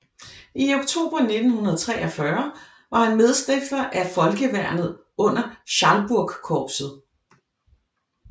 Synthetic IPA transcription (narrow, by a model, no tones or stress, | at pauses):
ioɡ̥t͡sʰo̝̰ːb̥ʁɐne̝d̥n̩hunɐðˠt͡sʰʁɛ̰ːʔɒfɶɐ | ʋɑ̈hænmeðˠsd̥ʁefɐʔæfɒ̽lɡ̥əʋæɐ̰nð̩ˠ | ɔ̽n̰ɐɕɑ̈lb̥uɐ̰ɡ̥kʰɒːb̥sð̩ˠ